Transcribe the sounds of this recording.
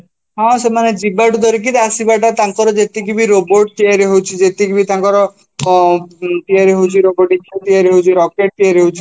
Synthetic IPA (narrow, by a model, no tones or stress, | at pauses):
ɦɔ̃semaned͡ʒibaʈud̪ɔɾik̬it̪asibaʈat̪aŋkɔɾɔd͡ʒet̪ik̬ibiɾoboɾʈ̚t̪iaɾiɦowt͡ʃʰid͡ʒet̪ikibit̪ãŋkɔɾɔ | t̪iaɾiɦowt͡ʃʰiɾoboʈit͡ʃʰt̪iaɾiɦowt͡ʃʰiɾɔkeʈ̚t̪iaɾiɦowt͡ʃʰi̥